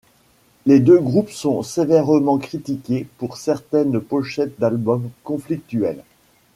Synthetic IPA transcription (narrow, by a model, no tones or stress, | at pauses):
led̪øɡʁupsɔ̃sevɛʁəmɑ̃kχit̪ikʲepuʁsɛʁt̪ɛnpɔʃɛt̪̚d̪albɔmkɔ̃flik̚t̪yɛl